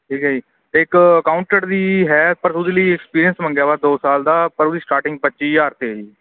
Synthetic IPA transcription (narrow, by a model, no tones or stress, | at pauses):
ʈʰiːkɦːd͡ʒiː | t̪eːɪkəkaːʊɳʈəɾd̪iːɦɛːpəɾsʊd̪iːliːɛkspiːɾijənsmə̃ŋɡjaːʋaːd̪oːsaːld̪aːpəɾʊd̪iːsʈaːɾʈɪ̃ŋɡ̚pətːʃiːjaːɾt̪eːɦiː